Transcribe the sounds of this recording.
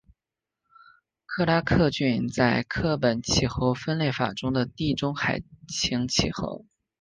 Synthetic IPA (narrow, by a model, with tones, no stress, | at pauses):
kʰɤ˥˩˧la˥kʰɤ˥˧t͡ɕy˥˧nt͡sa˥˧ɪkʰɤ˥˩pə˨˩nt͡ɕʰi˨˩xo˧˥ʊfə˥nle˥˩ɪfa̰˨˩ʈ͡ʂʊ˥ŋd̪ə˨t̪i˥˩ʈ͡ʂʊ˥ŋxa˨˩ɪt͡ɕʰi˧˥ŋt͡ɕʰi˨˩xo̰˧˥ʊ